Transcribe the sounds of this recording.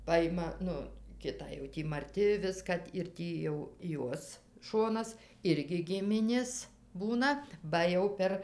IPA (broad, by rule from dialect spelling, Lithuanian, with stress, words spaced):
ˈpɑːjɪmɐ ˈnʊ ˈkʲɪtɑː jɛʊ ˈtʲiː mɐˈrʲtʲɪ ˈʋʲɪskɐ ɪr ˈtʲiː jɛʊ ˈjuɔs ˈʃoːnɐs ˈɪrʲɡʲɪ ˈɡʲɪmʲɪnʲeːs ˈbuːnɐ ˈbɐ jɛʊ ˈpʲɛr